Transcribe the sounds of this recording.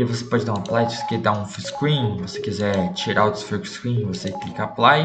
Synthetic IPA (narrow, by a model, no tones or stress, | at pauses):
ɪvose̥pɔd͡ʒɪd̪aũɐplajt͡ʃose̥ked̪aũfuskɾĩvosekizɛt͡ʃiɾaot̪ɾʊ̥fekʊ̥skɾĩvoseklikaplaj